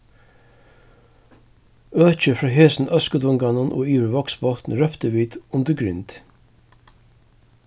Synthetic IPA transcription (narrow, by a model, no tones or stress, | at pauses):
øːc͡çəfɹɑːɦeːsn̩ʔœskəd̪ʊŋɡanʊnʔo̰ːiːʋəʋɔksbɔt̪n̩ɾœpt̪əʋiːd̪ʊnd̪əɡɾʏnt̪